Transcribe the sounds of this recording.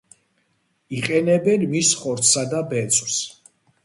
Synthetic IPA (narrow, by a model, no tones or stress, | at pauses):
iqʼɛnɛbɛnmisχɔɾt̪sad̪abɛt̪sʼs